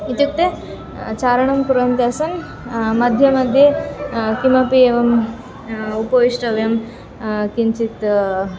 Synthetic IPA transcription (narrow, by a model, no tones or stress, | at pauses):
it̪juk̚t̪e | t͡ʃaːɾɐɳɐmkuɾɐnt̪jaɐsɐn | mɐd̪ʱjɐmɐd̪ʱjekimɐpieːʋɐm | upɐʋiʂʈɐʋjɐm | kint͡ʃit̪